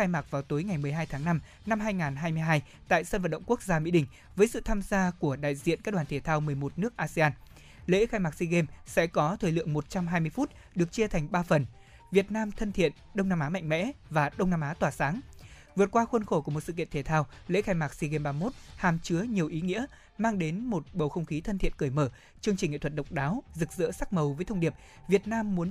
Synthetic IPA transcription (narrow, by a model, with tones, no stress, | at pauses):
aː˧jmaː˨˩k̚vaː˨˩wt̪o˨˦jŋa˨˩jmɨ˨˩əjɦaː˧jt̪ʰaː˨˦ŋna˧m | na˧mɦaː˧jŋaː˨˩nɦaː˧jmɨ˧əjɦaː˧j | t̪a̰ː˧˨jsə˧nvə̰˧˨nɗə̰˧˨ŋ͡mku˦˥k̚zaː˧mḭ˧˥ɗï˧˩ŋ̟ | vəː˨˦jsɨ̰˧˨t̪ʰaː˧mzaː˧ku˧˩əɗa̰ː˧˨jzḭ˧˨ənka˦˥ɗwaː˨˩t̪ʰe˧˩t̪ʰaː˧wmɨ˨˩əjmo˨˩t̚nɨ˦˥ək̚ʔaː˧se˧aː˧n | lḛ˧˥xaː˧jmaː˨˩k̚si˧ɣe˧msɛ̰˧˥kɔ˨˦t̪ʰəː˧˩jlɨ̰˧˨əŋmo˨˩t̚t͡ɕa˧mɦaː˧jmɨ˧əjfu˦˥t̚ | ɗɨ˨˩ək̚t͡ɕi˧ət̪ʰa˨˩jŋ̟ɓaː˧fə˨˩n | vi˨˩ət̚naː˧mt̪ʰə˧nt̪ʰḭ˧˨ənɗə˧wŋ͡mnaː˧mʔaː˨˦ma̰˧˨jŋ̟mɛ̰˧˥vaː˨˩ɗə˧wŋ͡mnaː˧mʔaː˨˦t̪waː˨˩saː˨˦ŋvɨ˨˩ət̚kwaː˧xwə˧nxo˧˩ku˧˩əmo˨˩t̚sɨ̰˧˨kḭ˧˨ənt̪ʰe˧˩t̪ʰaː˧wlḛ˧˥xaː˧jmaː˨˩k̚si˧ɣe˧mɓaː˧mo˦˥t̚haː˨˩mt͡ɕɨ˨˦əɲi˨˩əwʔi˨˦ŋḭ˧˥ə | maː˧ŋɗe˨˦nmo˨˩t̚ɓə˨˩wxə˧wŋ͡mxi˨˦t̪ʰə˧nt̪ʰḭ˧˨nkɨ˧˩jməː˧˩ | t͡ɕɨ˧əŋt͡ɕi˨˩ŋ̟ŋḛ˧˨t̪ʰə˧˩t̚ɗə˨˩wk͡p̚ɗaː˨˦wzɨ˨˩k̚zɨ̰˧˥saː˦˥k̚mə˨˩wvəː˨˦jt̪ʰə˧wŋ͡mɗi˨˩əp̚ | vi˨˩ət̚naː˧mːu˨˦ə